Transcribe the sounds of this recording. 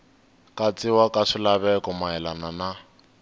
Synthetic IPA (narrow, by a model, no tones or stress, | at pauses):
kʼat͡sʼɪwakʼaʂɪlaβɛkɔmaɛlanana